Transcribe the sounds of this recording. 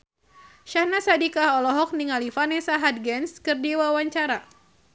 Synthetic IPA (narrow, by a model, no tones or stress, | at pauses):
ʃahnasadikaɦɔlɔɦɔk̚niŋalifanɛsaɦat̪̚ɡɛnskɨrdiwawaɲt͡ʃaɾa